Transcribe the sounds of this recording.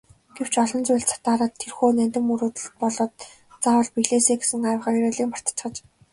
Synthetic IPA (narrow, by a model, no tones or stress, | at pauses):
ɡ̥ew̥t͡ɕɔɮɞ̆nt͡sʊjɮt͡sʰḁt̪aːɾaːt̪ʰːerxoːnænt̪ɘ̆muɾoːt̪ə̆ɮt̪̚pɔɮɞ̆ːt̪ | t͡sawə̆ɮpiɣɮeːseːɡesɘ̆ŋajw̆χăːiɾeːɮiːkmpḁr̥t̪t͡ɕχə̆t͡ɕ